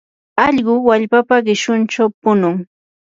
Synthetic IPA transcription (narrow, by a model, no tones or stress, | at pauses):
ɑʎɢʊwaʎpapaɢɪʃʊnt͡ʃawpʊnʊŋ